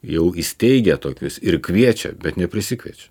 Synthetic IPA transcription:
jɛʊɪsʲt̪ʲɛɪɡʲɛt̪oːkʲʊsɪrkʲʋʲiɛt͡ʃʲɛ̰bʲɛt̪nʲɛpʲɾʲɪsʲɪkʲʋʲiɛt͡ʃʲɛ̥

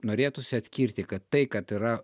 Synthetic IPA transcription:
noːɾʲeːt̪ʊsʲɪɐt̪ʲsʲkʲiɾʲt̪ʲɪkɐt̪ːɐɪkɐt̪iɾɐ

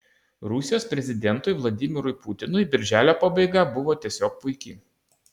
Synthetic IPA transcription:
ɾʊsʲɪjoːspʲɾʲɛzʲɪd̪ʲɛnt̪ʊɪʋlˠɐd̪ʲɪmʲɪɾʊɪpʊt̪ʲɪnʊɪbʲɪɾʲʒʲæːlʲoːpɑːbɐɪɡɑbʊʋoːt̪ʲiɛsʲoːk̚pʊɪkʲɪ

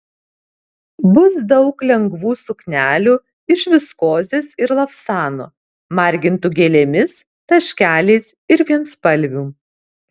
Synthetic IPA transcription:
bʊsd̪ɒʊklʲɛŋɡʋuːsʊknʲæːlʲuː | ɪʃʋʲɪskoːzʲeːsɪɾlˠɐfsɑːno̰ | mɐˑɾʲɡʲɪnt̪ʊɡʲeːlʲeːmʲɪs | t̪ɐʃʲkʲæːlʲeːsɪɾʋʲiɛnspɐlʲʋʲuː

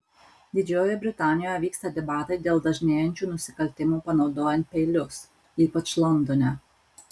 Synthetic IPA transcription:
d̪ʲɪd͡ʒʲoːjɛbʲɾʲɪt̪ɑːnʲɪjoːjɛʋʲiːkst̪ɐd̪ʲɛbɑːt̪ɐɪd̪ʲeːlˠd̪ɐʒʲnʲeːjɛnʲt͡ʃʲuːnʊsʲɪkɐlʲt̪ʲɪmuːpɐnɒʊd̪oːjɛnʲt̪̚ʲpʲɛɪlʲʊs | iːpɐt͡ʃlˠɔnd̪ɔnʲɛ

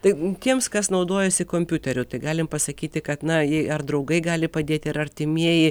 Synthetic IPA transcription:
t̪ɐɪtʲiɛmskɐsnɐʊd̪oːjɛsʲɪkoːmʲpʲuːt̪ʲɛɾʲʊt̪ɐɪɡɑːlʲɪmpɐsɐkʲiːt̪ʲɪkɐt̪nɐjɛɐrd̪ɾɐʊɡɐɪɡɑːlʲɪpɐd̪ʲeːt̪ʲɪɪɾɐɾʲt̪ʲɪmʲiɛjɪ

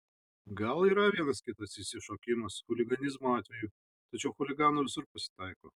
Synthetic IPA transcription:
ɡɐlˠiːɾɐʋʲiɛnɐskʲɪt̪ɐsɪsʲɪʃoːkʲɪmɐsxʊlʲɪɡɐnʲɪzmoɑːt̪ʲʋʲɛjuː | t̪ɐt͡ʃʲɛʊxʊlʲɪɡɑːnolʲɪsʊɾpɐsʲɪ̥t̪ɑɪko̰ː

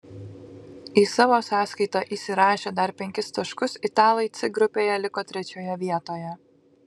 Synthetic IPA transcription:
iːsɑːʋoːsɑːskɐɪt̪ɑʔiːsʲɪɾɑːʃʲeːd̪ɐɾpʲɛŋʲkʲɪst̪ɐʃkʊsɪt̪ɑːlˠɐɪt̪sʲɪɡɾʊpʲeːjɛlʲɪkoːt̪ʲɾʲɛt͡ʃʲoːjɛʋʲiɛt̪oːjɛ

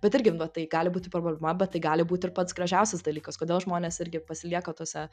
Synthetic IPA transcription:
bʲɛt̪ɪɾʲɡʲɪʋɐt̪ːɐɪɡɑːlʲɪbuːt̪ʲɪpɾoːbbʲlʲɛmɐbʲɛt̪̚ːɐɪɡɑːlʲɪbuːt̪ʲɪrpɐt̪sɡɾɐʒʲɛˑʊsʲɛsd̪ɐlʲiːkɐskoːd̪ʲeːlˠʒmoːnʲeːsɪɾʲɡʲɪpɐsʲɪlʲiɛkɐt̪uɔsʲɛ

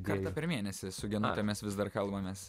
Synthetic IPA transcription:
kɐɾt̪ɐpʲɛɾmʲiːɛnʲɛsʲɪsʊɡʲɛnʊt̪ʲɛmʲɛsʋʲɪzd̪ɐrkɐlˠbɐmʲɛs

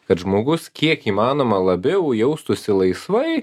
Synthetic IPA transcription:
kɐt̪ʒmoːɡʊskʲiɛkiːmɑːnoːmɐlˠɐbʲɛʊjɛʊst̪ʊsʲɪlˠɐɪsʋɐɪ

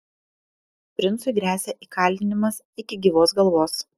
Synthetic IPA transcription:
pʲɾʲɪntsʊɪɡʲɾʲæːsʲɛʔiːkɐˑlʲd̪ʲɪnʲɪmɐs | ɪkʲɪɡʲiːʋoːsɡɐlˠʋoːs

